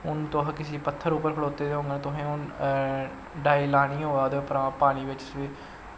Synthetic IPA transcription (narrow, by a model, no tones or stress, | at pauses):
ʊnt̪oɦãːkɪsiːpət̪ʰːəɾuːpːəɾkʰəɽoːt̪eːd̪eːɦõːŋɡenẽt̪ʊɦẽːʊn | ɖaːiːlaːɽ̃ĩːɦõːaːd̪epəɾaːpaːñiːʋɪt͡ʃsiː